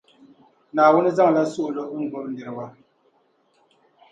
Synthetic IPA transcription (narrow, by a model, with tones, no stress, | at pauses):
naː˨wu˦ni˦za˦ŋ˨la˦su˦˨ʔlo˦ʔŋ̩˨ɡ͡bo˨˦ɾn̩˨dɛ˨ɾwa˦